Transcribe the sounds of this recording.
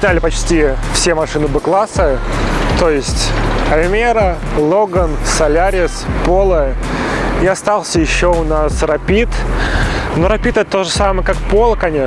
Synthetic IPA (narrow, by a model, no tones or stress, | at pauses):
nʲalʲɪpɐt͡ɕtʲifsʲemɐʂɨnɨbɨklˠasət̪ojɪsʲtʲɐlʲmʲeɾəlˠoɡənsɐlʲaɾʲɪspolˠə | iɐst̪alˠsʲəjɪɕːoʊnasrɐpʲit̪ | no̞ɾɐpʲit̪ɛt̪ət̪oʐəsamɨjəkakpo̞lˠəkɐnʲe